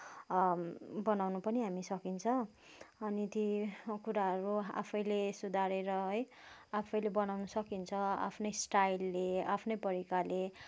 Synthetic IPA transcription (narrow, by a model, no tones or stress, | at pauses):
bʌnawnupʌniɦamisʌkint͡sʰʌ̃ | ʌnit̪ikuɾaɦʌɾua̰pʰʌjlesud̪ʱaɾeɾʌɦʌj | apʰʌjlebʌnawnʌsʌkint͡sʰʌa̰pʰnʌjsʈajlːeapʰnʌjpʌɾikale